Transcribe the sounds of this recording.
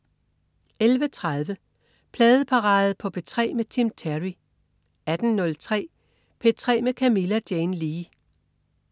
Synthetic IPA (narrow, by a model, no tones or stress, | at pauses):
elʋət͡sʰʁɑð̞ˠʋə | pʰlɛːð̞̩ˠəpʰɑ̈ʁɑ̈ːð̩ˠpʰɒ̽b̥ʰet͡sʰʁɛ̰ːmet͡sʰimt͡sʰæʁi | æd̥n̩nɔ̽lt͡sʰʁɛ̰ː | pʰe̝t͡sʰʁɛ̰ːmekʰæmilæd̥jeːnliː